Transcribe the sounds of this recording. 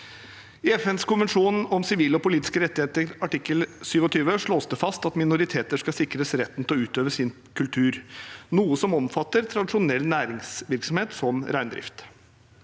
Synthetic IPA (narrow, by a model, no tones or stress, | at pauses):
ɪɛfɛnskʊnʋənʂuːnɔmsɪʋiːləɔpʊliːt̪ɪ̥skəɾɛt̪ːɪheːt̪əɾɑʈɪkːəlsyːʋɔt̪ʰyːʋəʂɭoːsd̪əfɑst̪ɑt̪mɪnʊɾɪt̪ʰeːt̪əʂkɑsɪkɾəsɾɛt̪ːən̩t̪ʰlɔʉːt̪øːʋəsɪn | kʰʉlt̪ʰʉːɾnuːəsɔmɔmfɑt̪ːəɾt̪ʰɾɑd̪ɪʂʊnɛlːnæːɾɪŋsʋɪɾksɔmheːt̪sɔmɾæɪnd̪ɾɪ̰ft̪